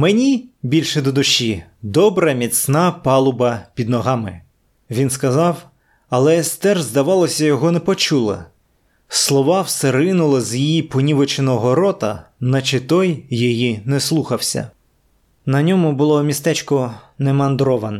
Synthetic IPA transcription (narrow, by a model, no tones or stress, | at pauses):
menʲibʲilʲʃɛd̪ɔd̪ʊʃid̪ɔbɾɐmʲisnɑpɑlˠʊbɐpʲid̪nɔɦɑmɪ | ʋʲinskɐzɑw | ɐlˠɛst̪ɛrzd̪ɐʋɑlˠɔsʲɐjɔɦɔnɛpɔt͡ʃulˠɐ̰ | slˠɔʋɑwseɾɪnʊlˠɪzjijipɔnʲiʋɔt͡ʃenɔɦɔɾɔt̪ɐnɐt͡ʃɪt̪ɔjːijinɛslˠuxɐwsʲɐ̰ | nɐnʲɔmʊbʊlˠɔmʲist̪ɛt͡ʃkɔnɛmɐnd̪ɾɔʋɐnɛ